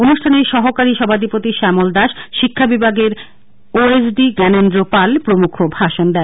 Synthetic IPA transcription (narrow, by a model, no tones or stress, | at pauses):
onuʃʈʰaneɾʃɔɦokaɾiʃɔbʱad̪ipot̪iʃɛmold̪aʃʃikʰːabibʱaɡeɾ | oesɖiɡɛnendɾopalpɾomukʰobʱaʃond̪ɛ